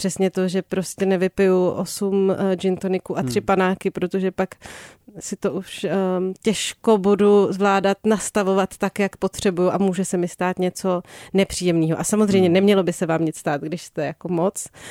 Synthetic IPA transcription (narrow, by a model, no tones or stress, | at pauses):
pr̥ɛsɲɛt̪o̞ʒɛpɾo̞scɛnɛvɪpɪjuʔosumd͡ʒɪnt̪onɪkuʔat̪r̥ɪpanaːkɪpɾot̪oʒɛpaksɪt̪o̞ʔuʃcɛʃko̞buduzvlaːdat̪nast̪avo̞vat̪ːakjakpot̪r̝̥ɛbujuʔamuːʒɛsɛmɪst̪aːt̪ɲɛt͡so̞nɛpr̝̥iːjɛmniːɦoʔasamozrɛjmɲɛnɛmɲɛlo̞bɪsɛvaːmɲɪt͡sst̪aːt̪̚ɡdɪʃst̪ɛjako̞mot͡s